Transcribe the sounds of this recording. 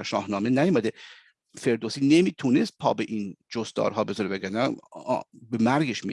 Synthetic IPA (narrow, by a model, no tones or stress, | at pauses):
ʃɒ̰ːhnɒːmenæjomæd̪e | fe̞ɾd̪osiːnemiːt̪ʰune̞st̪̚pʰɒ̰ːbeʔiːnd͡ʒost̪ɒ̰ːɾɦɒːbe̞zɒɾebæɡænæ̰ | bemæɾɡeʃmḭ